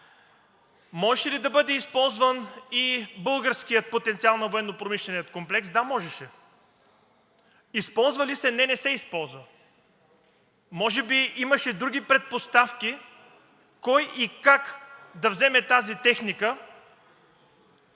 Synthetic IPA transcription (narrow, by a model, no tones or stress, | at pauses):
mɔʒɛʃɛlid̪ɐbɤd̪ɛispɔlˠzvənibɤlˠɡəɾskijət̪̚pot̪ɛnt̪sialˠnɐvoɛnːopɾomiʃlɛnijət̪komplɛksd̪amɔʒɛʃɛ | ispɔlˠzvɐlisɛnɛnɛsɛispɔlˠzvə | mɔʒɛbiiməʃɛd̪ɾuɡʲipɾɛt̪̚post̪afkʲi | kɔjikakd̪ɐvzɛmɛt̪azit̪ɛxnikə